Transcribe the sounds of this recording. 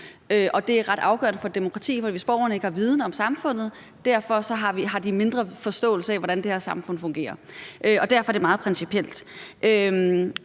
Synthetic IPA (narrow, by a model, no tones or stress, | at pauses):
øʔɒ̽d̥e̝æɐʁɑ̈ɾ̥ɑ̈ʊɡ̥ɶ̰ɐnəfɒ̽d̥e̝mo̝kʰʁɑ̈t͡sʰḭːfɒ̽dḭːʋe̝sb̥ɒ̰ʊɐnəe̝ɡ̥hɑ̈ʋið̞ˠnəɒ̽msɑ̈mfɔ̽n̰ð̞̩ˠ | d̥æɐ̰fɒ̽sɒ̽ɦɑ̈ʋiɦɑ̈d̥ime̝nd̥ʁɐfɒ̽sd̥ɔ̰̽ːlsəɛʋɒɾænd̥eheɐsɑ̈mfɔ̽n̰fɔ̽ŋɡ̥e̝̰ːɐʔøɒ̽d̥æɐfɒ̽æd̥e̝mɑ̈ːð̩ˠpʰʁɛnsipʰiel̰d̥ʔø